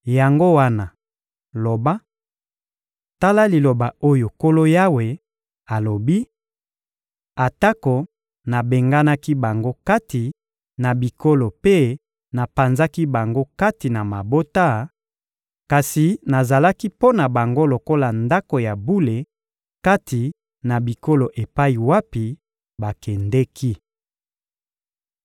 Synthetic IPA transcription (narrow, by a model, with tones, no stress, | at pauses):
ja˨ŋɡo˦wa˦na˨ | lo˨ba˦ | ta˦la˦li˨lo˨ba˨o˦jo˨ko˦lo˦ja˦we˨ | a˨lo˨bi˦ | a˨ta˦ko˨ | na˨be˨ŋɡa˦na˦ki˦ba˨ŋɡo˦ka˦ti˨ | na˨bi˨ko˦lo˨pe˦ | na˨pa˨nza˦ki˦ba˨ŋɡo˦ka˦ti˨na˨ma˨bo˦ta˦˨ | ka˨si˨na˨za˨la˦ki˦po˦na˨ba˨ŋɡo˦lo˨ko˦la˨nda˦ko˨ja˨bu˦le˨ | ka˦tʰi˨ | na˨bi˨ko˦lo˨ʔe˨pa˦i˨wa˦pi˨ | ba˨kɛ˨ndɛ˦kʰi˦